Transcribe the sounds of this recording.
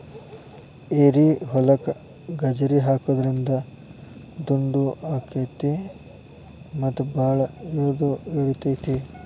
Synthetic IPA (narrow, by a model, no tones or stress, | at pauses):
eɾiɦɔlɐkɐ | ɡɐd͡ʒɐɾiɦaːkud̪ɐɾind̪ɐ | d̪uɳɖuʔaːkeɐjt̪i | mɐt̪ːubʱaːɭɐiɭod̪uiɭut̪ɐjt̪i